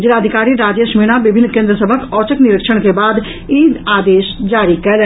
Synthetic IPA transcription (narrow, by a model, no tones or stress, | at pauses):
d͡ʒelaːd̪ʱikaːɾiɾaːd͡ʒəsmiñabɪbʱɪnːkẽːnd̪ɾəsəbʱəkɔːt͡ʃəkniɾəkʃəɽ̃kebaːd̪ | id̪aːd̪eːʃd͡ʒaːɾikɛl